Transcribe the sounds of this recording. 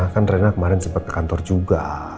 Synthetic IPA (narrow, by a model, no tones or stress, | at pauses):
akanrenakəmaɾɪnsəbat̚t̪ḁkant̪ɔrd͡ʒuɡa̰